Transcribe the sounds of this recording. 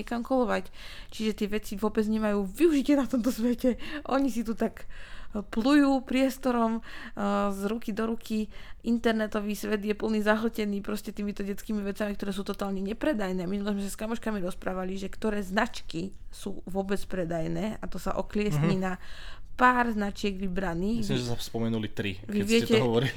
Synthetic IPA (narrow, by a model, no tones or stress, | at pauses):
ɛkamkɔlɔʋact͡ʃiʒɛt̪ɪɛʋɛt͡siʋʊɔbɛd͡zɲɛmajuːʋiuʒicɪɛnat̪ɔmt̪ɔsʋɛcɛʔɔɲisit̪ut̪akplujuːpɾɪɛst̪ɔɾɔm | zɾukid̪ɔɾukʰiʔint̪ɛɾnɛt̪ɔʋiːsʋɛd̪jɛpl̩niːzaɦlɔcɛniːpɾɔscɛt̪iːmit̪ɔɟɛt͡skiːmiʋɛt͡samikt̪ɔɾɛːsuːt̪ɔt̪aːlɲɛɲɛpɾɛd̪ajnɛːminulɔzmɛsaskamɔʃkamiɾɔspɾaːʋaliʒɛkt̪ɔɾɛːznat͡ʃkisuːʋʊɔbɛt͡spɾɛd̪ajnɛːat̪ɔsaʔɔklɪɛsɲiːnapaːɾznat͡ʃɪɛɡʋibɾaniːisimʒɛɛsaspɔmɛnulit̪ɾḭʋiʋɪɛɛcɛɦɔʋɔɾi